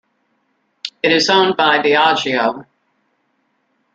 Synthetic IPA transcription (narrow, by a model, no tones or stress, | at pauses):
ɨɾɨzõʊ̃nbaɪðiɑd͡ʒioʊ